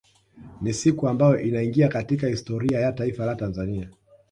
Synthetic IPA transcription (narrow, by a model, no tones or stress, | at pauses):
nisikuambajɔʔinaiŋɡiakatikahistɔɾiajataifalatanzania